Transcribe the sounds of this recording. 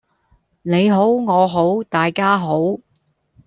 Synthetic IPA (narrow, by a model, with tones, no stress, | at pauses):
ne˨˧jɦo˨˥wŋɔː˨˧ɦo˨˥wt̪aː˨jkaː˥ɦo˨˥w